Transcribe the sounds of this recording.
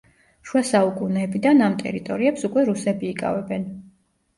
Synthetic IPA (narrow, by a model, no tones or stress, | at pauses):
ʃwasaukʼunɛːbid̪anamt̪ʼɛ̰ɾit̪ʼɔɾiɛpsukʼwɛɾusɛbiːkʼa̰vɛbɛn